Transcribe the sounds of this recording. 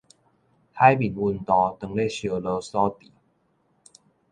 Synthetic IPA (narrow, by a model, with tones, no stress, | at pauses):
h̪ʰa˦jbi˨nwu˧˨nt̪ɔ˧t̪ə˨˩ŋle˥˨ɕjo˨˩lə˧˦sɔ˦t̪i˨˦